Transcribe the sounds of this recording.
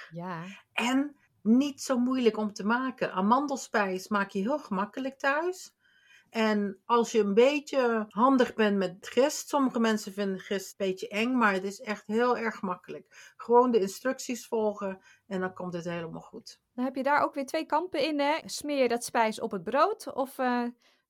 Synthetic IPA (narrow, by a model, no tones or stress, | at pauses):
ʔɛn | nitsowmujləkɔmtəmaːkəʔamɑndəl̩ˠspɛjsmaːkjəɦɪːlˠχəmɑkələk̚tœɥs | ʔɛnɑlˠsjəənbejtjəɦɑndəχbɛnmɛtχɪstsɔməχəmɛnsəvɪndəχɪstbejtəʔɛŋmaːɹətɪsɛχtɦɪːlˠɛɹχmɑkələkχəʋowndəɪnstrɵksisfɔlˠχə | ɛndɑnkɔmtɦətɦejləma̰ːlˠχut | dɔnɦɛpjədaːɹʔowkʋɪːɹtʋejkɑmpəɪnɛsmɪːjədɑtspɛjsɔ̰pəd̚browtɔf